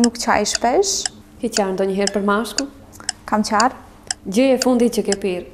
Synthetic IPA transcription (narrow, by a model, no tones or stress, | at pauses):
nukt͡ɕa̰jʃpɛʃ | kit͡ɕaɾnd̪ɔɲəɦɛɾpəɾmaʃku | kamt͡ɕaɾ | d͡ʑəɛfund̪it͡ɕəkɛpiɾ